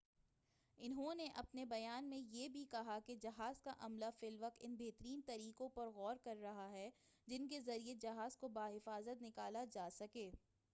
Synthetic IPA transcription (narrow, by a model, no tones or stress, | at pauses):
ɪnɦõneʔɐpnebɐjaːnmẽjeːbʱikɐɦaked͡ʒɐɦaːzkaʔɐmlafɪlʋɐk̚t̪ɪnbeːt̪əɾiːnt̪ɐɾiːkõpɐɾɣɔːɾkɐɾːɐɦaɦɛ | d͡ʒɪnkezɐɾied͡ʒɐɦaːzkobaːɦɪfaːzət̪nɪkaːlad͡ʒaːsɐkeː